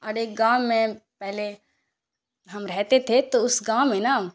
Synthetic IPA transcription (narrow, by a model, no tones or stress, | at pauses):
ɐɾeːk̚ɡãːẽpɛɦle | ɦɐmɾɛɦt̪et̪ʰet̪oʊsɡãːmːẽna